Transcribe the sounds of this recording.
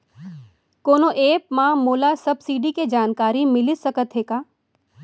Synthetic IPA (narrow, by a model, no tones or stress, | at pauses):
koːnoʔeːpmãmoːlasɐbsiːɖiked͡ʒaːnkaːɾimɪlɪsɐkət̪ɦeːkaː